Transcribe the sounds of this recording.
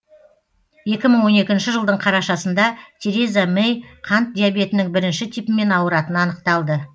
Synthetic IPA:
je̞kʲɪməɴwo̞ne̞kʲɪnʃɪʒəlˠd̪əɴqʰɑɾɑʃɑsənd̪ɑt̪ʰe̞ɾe̞zamejqʰɑnt̪̚d̪ʲijabe̞t̪ɪnɪŋbɪɾɪnʃɪt̪ʰipɪme̞nɑwəɾɑt̪ənɑnəq̚t̪ɑlˠd̪ə

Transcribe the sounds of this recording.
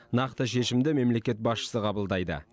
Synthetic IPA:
nɑqt̪əʃe̞ʃɪmd̪ɪme̞mle̞kʲe̞t̪̚bɑsʃə̥səqʰɑbəlˠd̪ɑjd̪ə̰

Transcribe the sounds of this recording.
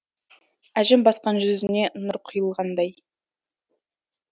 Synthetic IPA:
æʒɪmbɑsqɑnʒʏzɪne̞ʔnʊɾqʰʊjəlˠʁɑnd̪ɑj

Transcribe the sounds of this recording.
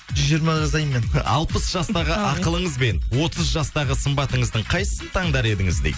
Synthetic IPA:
ʒʏzʒijɾmɑʒɑzɑjəmːenɑ̰lˠpəsʒ̥ɑst̪ɑʁəʔɑqəlˠəɴəzbe̞nwo̞t̪əzʒɑst̪ɑʁəsəmbɑt̪əɴəzd̪əɴqʰɑj̪əsənt̪ʰɑŋd̪ɑɾe̞d̪ɪŋɪzd̪ḛj

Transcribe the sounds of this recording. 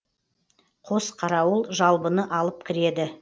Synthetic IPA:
qʰo̞sqʰɑɾɑwəlˠʒɑlˠbənəʔɑlˠəp̚kʲʰɪɾe̞d̪ɪ

